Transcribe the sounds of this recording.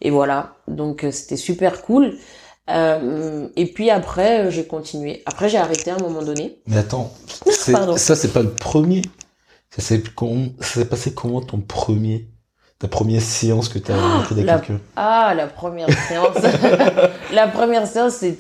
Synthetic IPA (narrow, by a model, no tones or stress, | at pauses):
ḛvwalad̪ɔ̃køse̥t̪ɛsypɛʁkʰul | ømepɥiapχɛøʒekɔ̃t̪ʰinɥeapχɛʒeaʁet̪eɛ̃mɔmɑ̃d̪ɔnemɛat̪ɑ̃sɛpaʁd̪ɔ̃sasɛpaləpχəmje | sasɛkɔm̃sḁsɛpasekʰɔmɑ̃t̪ɔ̃pχəmje | t̪apχəmjɛʁseɑ̃skət̪yaaχid̪aklakʰʲylalapχəmjɛʁseɑ̃s | lapχəmjɛʁseɑ̃sːe